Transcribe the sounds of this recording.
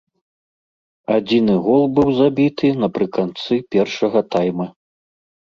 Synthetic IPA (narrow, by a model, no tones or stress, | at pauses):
ad͡zʲinɨɣɔlˠbɨwzabʲit̪ɨnɐpɾɨkant̪sɨpʲɛrʂɐɣɐt̪ajmɐ